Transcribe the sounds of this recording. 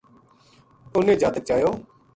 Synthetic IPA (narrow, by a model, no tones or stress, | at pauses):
ʊnẽːd͡ʒaːt̪ək̚t͡ʃaːjoː